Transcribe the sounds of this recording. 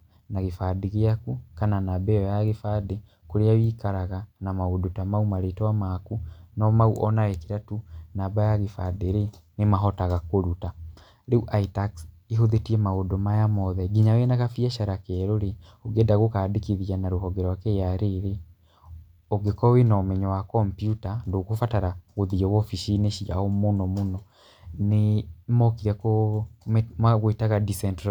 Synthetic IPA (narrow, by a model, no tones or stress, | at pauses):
naɣefaːdeɣeakukananabɛwajaɣefaːde | koɾeawiːkaɾaɣanamaodotamaumaɾetɛwamakunɔmauʔɔnawɛkeɾatunaːbajaɣefadeɾenemaɦɔtaɣakoɾuta | ɾeuʔaitakseɦoðetiɛmaodomajamɔðɛɡiɲawenaɣafiaʃaɾakɛɾoɾeoɡedaɣokaːdekiðianaɾohɔɡeɾɔwakɛjaɾeɾe | oɡekɔwenamɛɲɔwakɔmpjutandokofataɾaɣoðiɛwɔfiʃineʃia̰ɔmonɔmonɔ | nemɔkiɾɛko | aɣoetaɣadisɛntɾ